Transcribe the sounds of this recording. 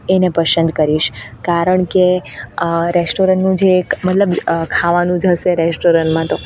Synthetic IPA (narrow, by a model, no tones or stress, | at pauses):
enepəʃənd̪ʱkəɾiʃkaɾəɳke | ɾesʈoɾənʈnũd͡ʒemət̪ləbkʰaʋanũd͡ʒʱəʃeɾesʈoɾəɳʈmãt̪o